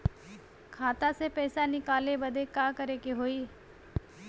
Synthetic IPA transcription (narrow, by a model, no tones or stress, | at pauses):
kʰaːt̪asepɛːsanɪkaːlebəd̪ʱekaːkəɾekeɦoiː